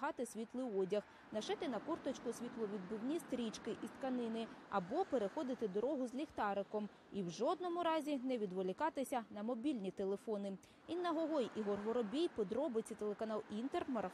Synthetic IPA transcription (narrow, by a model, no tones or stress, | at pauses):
ɦɑt̪ɪsʲʋʲit̪lˠɪwɔdʲɐx | nɐʃɪt̪ɪnɐkurt̪ɔt͡ʃkʊsʲʋʲit̪lˠɔʋʲid̪̚bɪwnʲist̪ɾʲit͡ʃkɪʔist̪kɐnɪnɪɐbɔpeɾexɔd̪ɪt̪ɪd̪ɔɾɔɦʊzʲlʲixt̪ɑɾɪkɔm | iwʒɔd̪nɔmʊɾɑzʲinɛʋʲid̪ʋɔlʲɪkɑt̪ɪsʲɐnɐmɔbʲilʲnʲit̪elˠefɔnɪ | inːɐɦɔɦɔjiɦɔrɦɔɾɔbʲijpɔd̪ɾɔbɪt͡sʲit̪elˠekɐnɑlˠint̪ermɐɾɐ